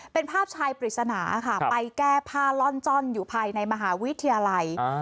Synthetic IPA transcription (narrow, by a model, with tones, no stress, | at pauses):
pe˧npʰaː˥˩p̚t͡ɕʰaː˧jpɾi˨˩t̪̚sa˧naː˩˦kʰa˥˩pa˧jkɛː˥˩pʰaː˥˩lɔ˥˩nt͡ɕɔ˥˩njuː˨˩pʰaː˧jna˧jma˧ɦaː˩˦wi˦˥t̪ʰːi˧ja˧la˧j